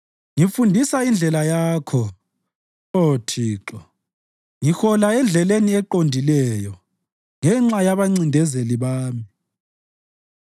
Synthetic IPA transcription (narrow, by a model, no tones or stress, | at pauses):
ŋifundʱisaind͡ɮʱɛlajaːkʰɔ | otʰiːǁɔ | ŋixɔlaɛnd͡ɮʱɛleniɛǃondʱilɛjɔ | ŋɛŋ͡ǁajaβaŋ͡ǀindʱɛzeliβaːmi